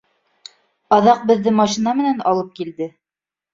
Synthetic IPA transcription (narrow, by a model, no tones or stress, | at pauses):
ɑðɑq̚bɘ̆ðːɘmɑʃinɑmɘ̆nænɑ̰lˠɤp̚kild̪ɘ